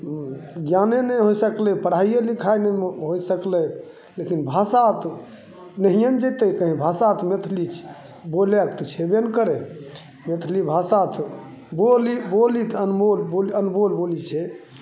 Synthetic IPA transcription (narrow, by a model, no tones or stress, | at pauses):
ɡjanenəɦojsəklɛpəɽaijelikʰajnɛɦojsəklɛ | lekinbʱasat̪ʰ | nəɦijənd͡ʒet̪əkəɦĩbʱasat̪ʰmet̪ʰlit͡ʃʰ | bolekt̪t͡ʃʰebenkəɾe | met̪ʰlibʱasat̪ʰ | bolibolit̪ʰənbolbolənbolbolit͡ʃʰɛ